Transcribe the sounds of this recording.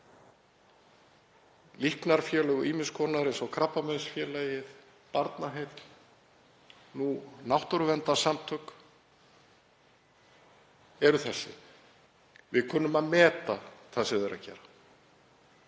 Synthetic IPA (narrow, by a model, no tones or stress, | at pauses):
lihknaɾ̥fjɛːlɛɣʏʔiːmɪnskʰɔnaɾɪnsawkʰɾapːamœðsfjɛːlajɪð | paɾt̪naɦejt̪l | nunawht̪ɔɾʏvɛnt̪asamt̪ʰʏk | ɛɾʏθɛsːɪ̰ | vɪðkʰœːnːʏmaðmɛːt̪aθasɪðɛɾa̰cɛ̰ːɾa